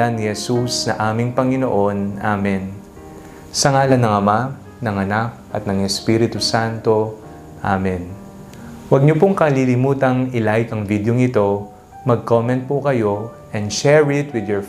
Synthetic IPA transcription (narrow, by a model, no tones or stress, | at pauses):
anːɪhɛsusnɐʔaːmɪŋpɐŋɪnoʔo̞nʔamɛn | sɐŋaːlɐnɐŋɐma | nɐŋɐnak̚ʔɐt̪̚nɐŋɛspiɾɪt̪usant̪o̞ | ʔamɛn | wɐɡ̚ɲopʊŋkɐlilɪmuːt̪ɐŋɪlajɪkɐŋvid̪joŋɪt̪o̞ | mɐɡ̚komɛ̃nt̪̚pokɐjo̞ | ʔɛnd̪ʃɛɹɪt̪wɪd̪joɹ